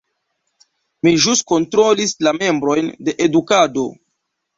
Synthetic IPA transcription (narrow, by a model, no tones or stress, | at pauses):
miʒusko̞ntɾo̞lislame̞mbɾo̞jnde̞ʔedukado̞